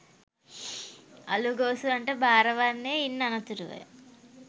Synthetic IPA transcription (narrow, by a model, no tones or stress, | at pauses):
ɐ̰luɡoːsuɐɳʈeːbʱaːɾɐʋaːnːeːinːɐnɐt̪uɾuʋɐ̰